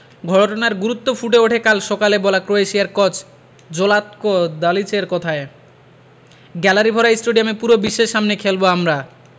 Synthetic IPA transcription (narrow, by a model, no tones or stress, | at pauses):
ɡʱɔʈonaɾɡuɾut̪ːofʰuʈ̬eoʈʰekalʃɔkalebɔlakɾoeʃiaɾkɔt͡ɕ | d͡ʑolat̪kod̪alit͡ɕeɾkɔt̪ʰae | ɡɛlaɾibʱɔɾaisʈoɖijamepuɾobiʃeʃʃːamnekʰelboamɾa